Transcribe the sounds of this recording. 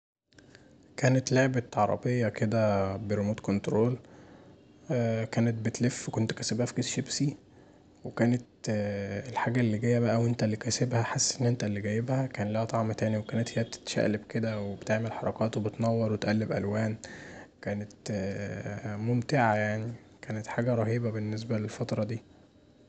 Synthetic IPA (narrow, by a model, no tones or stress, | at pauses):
kæːnet̪leʕbæt̪ʕɑɾˤɑ̰bejːɑked̪æbeɾomuːt̪kont̪ɾoːl | kæːnet̪̚bet̪lefːwekont̪kæsebhæfkeːsʃebsi | wekæːnet̪ | elħaːɡæʔlːiɡæjːæbæʔæwʔent̪ælːikæsebhæħasːʔenːʔent̪ælːiɡæjebhækæːnlæhæt̪ˤɑʕmæt̪æːniwekæːnet̪hejːæb̚t̪e̥t̪ʃæ̰ʔlebked̪æwebet̪eʕmelħɑɾˤɑkɑːt̪webet̪nɑwːɑɾˤwet̪ʔælːebʔæ̰lwæːnkæːnet̪ | momt̪eʕajaʕni | kæːnet̪ħaːɡæɾˤɑhiːbæbenːes̬bælelfɑt̪ɾˤɑd̪iː